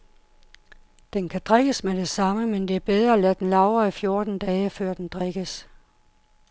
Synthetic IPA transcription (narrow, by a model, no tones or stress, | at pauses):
d̥enkʰæd̥ʁeɡ̥əsmed̥e̝sɑ̈məmend̥e̝æɐb̥eð̞ˠʁɐːlæd̥enlɑ̈ʊɐifjo̝ɐd̥n̩d̥ɛːəfɶɐ̰d̥end̥ʁeɡ̥əs